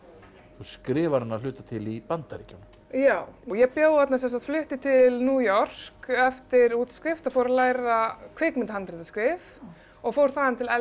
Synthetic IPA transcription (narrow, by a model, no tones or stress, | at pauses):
θuskɾɪːvaɾhanːalʏːt̪at̪ʰɪlipant̪aɾiːcanjaːwɔɣjɛɣpjaːwat̪nasɛnsat̪flʏht̪ɪt̪ʰɪlnuːjɔr̥kɛft̪ɪɾuːt̪skɾɪft̪aðfoːwɾalaːjɾakʰvɪkmɪnt̪hant̪ɾɪðaskɾɪf | ɔɣfoːwɾ̥θaðant̪ʰɪlɛ